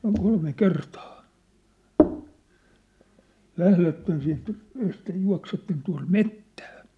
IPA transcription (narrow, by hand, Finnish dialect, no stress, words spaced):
oŋ kolme kertɑː læhletːen siːnt ehkæ juɑ̝ksetːen tuɑ̝m metːæ̥ː